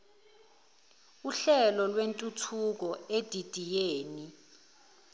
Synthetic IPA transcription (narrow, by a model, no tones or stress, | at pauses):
uɬɛlɔlwentʼutʰuk̬ɔed̥ʱid̥ʱijeːni